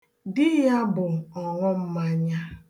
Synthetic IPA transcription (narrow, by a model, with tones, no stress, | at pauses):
dɪ˦ja˦bʊ˨ɔ˨ŋʊ˦m̩˦ma˦ɲa˦